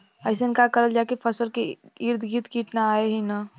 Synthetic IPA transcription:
əɪs̬enkakəɾəld͡ʒaekepʰəsəlkeiɾd̪ʱɡiːt̪kiːʈnaaːeɦina

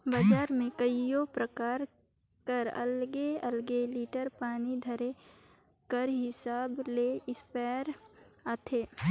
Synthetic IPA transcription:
bəd͡ʒaːɾmẽkəijopɾəkaːɾ | kəɾɐ̰lɡeə̰lɡeliːʈəɾpaːnid̪ʱɐɾe | kəɾɦɪsaːbleɪspɛːɾat̪ʰeː

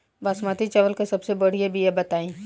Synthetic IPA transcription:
basmat̪it͡ʃɐʋəlkesɐbsebɐɽ̤ijebʱijɛbɐt̪aːĩː

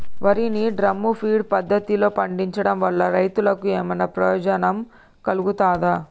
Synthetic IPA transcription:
ʋɐɾiniɖɾɐmːupʰiːɖpɐd̪ʱːɐt̪ilo̞ːpɐɳɖiɲt͡ʃɐɽɐmʋɐɭːɐɾɐjt̪ulɐkueːmɐnɐpɾɐjoːd͡ʒɐnɐm | kɐluɡut̪aːd̪aː

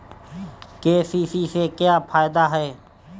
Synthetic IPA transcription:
keːsiːsiːsekjaːpʰaːjɪd̪aːɦɛː

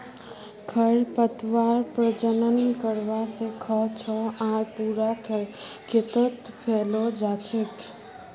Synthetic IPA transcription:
kʰəɾpət̪ʋaɾpɾəd͡ʒənənkəɾʋasẽkʰəɦt͡ʃʰɔaɾpuɾakekʰet̪ət̪pʰelod͡ʒat͡ʃʰek

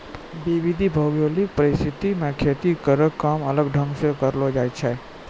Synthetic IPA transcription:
biʋid̪ʱibʱəɡjolik̚pəɾɪst̪ʰit̪imẽkʰet̪ikəɾəkkːamələɡɖʱə̃ŋɡsekəɾlod͡ʒaːjt͡ʃʰɛ

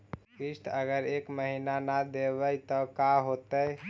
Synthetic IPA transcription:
kisʈ̪ʰəɡəɾekməɦinanad̪eβəjt̪ɔkaɦot̪əj

